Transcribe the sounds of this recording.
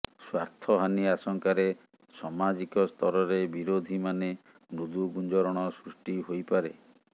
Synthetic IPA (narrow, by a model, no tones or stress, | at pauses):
swaɾt̪ʰɔɦaniasɔŋkaɾe | sɔmad͡ʒikɔst̪ʰɔɾɔɾebiɾod̪ʱimane | nud̪uɡund͡ʒɔɾɔɽ̃ɔsɾusʈiɦojpaɾḛ